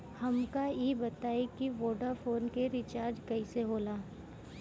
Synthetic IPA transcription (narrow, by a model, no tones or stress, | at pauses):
hɐmkajeːbɐt̪aːekiʋoːɖafoːnkeɾɪt͡ʃaːɾd͡ʒkɐiseɦoːlaː